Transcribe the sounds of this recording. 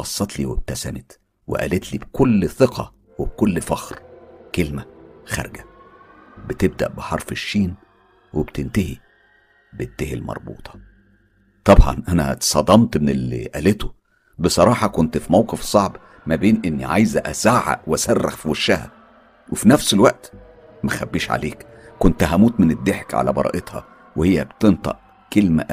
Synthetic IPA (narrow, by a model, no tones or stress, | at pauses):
ɑsˤːɑt̪liːweb̚t̪æsænet̪ | wḛʔæ̰ːlet̪liːbkʰolːθeqʰɑ | web̚kolːfɑxɾkelmæxæ̰ɾˤɡæ | bet̪eb̚d̪æ̰ʔbeħɑɾˤfeʃːiːn | webt̪ent̪æhi | bet̪ːæhilmɑ̰ɾˤbṵːt̪ˤʰɑ̥ | t̪ˤɑbʕɑ̰nʔænæ̰t̪sˤɑd̪ˤɑmt̪menelːḭʔæːlet̪o | besˤɑɾˤɑːħɑkont̪fimæwqefsˤɑʕb | mæbeːnʔenːiʕajzæʔæ̰zaːʕa̰ʔweʔæsærːḛxfiwæʃːæhæ̰ | wefinæfselwæʔt̪ | mæxæbːiːʃʕa̰leːk | kːont̪æɦæmuːt̪mened̪ːeħkʕa̰læ̰bɑ̰ɾˤɑ̰ːʔet̪hɑ̰ | wehejːæbt̪ent̪ˤɑ̰ʔ | kelmæ̰ʔ